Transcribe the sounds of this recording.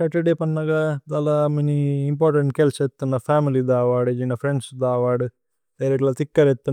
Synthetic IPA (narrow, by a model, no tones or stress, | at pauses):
saʈeɖeːpɐnːɐɡad̪ɐlameniːmpaːɾʈeɳʈ̚kelset̪ːunːɐpʰaːmilid̪aːʋaːɽud͡ʒinɐpʰɾeɳɖsd̪aːʋaːɽu | d̪̥ɐjɾeʈlɐt̪ikːɐɾet̪ːu